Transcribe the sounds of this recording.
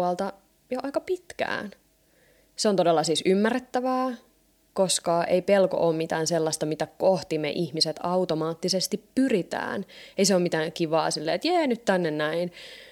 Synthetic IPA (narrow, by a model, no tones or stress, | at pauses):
ɑlt̪ɑ | joʔɑikɑpit̪kæ̰ːn | seont̪odelːɑsisymːærːet̪ːæʋæː | koskɑʔeipelko̰ʔoːmmit̪æːnselːɑst̪ɑmit̪ækoht̪imḛʔihmiset̪ɑut̪omɑːt̪ːisest̪ippyrit̪æ̰ːneiseoːmit̪æːŋkiʋɑ̰ːsilːḛːet̪jæːnyt̪t̪ænːennæin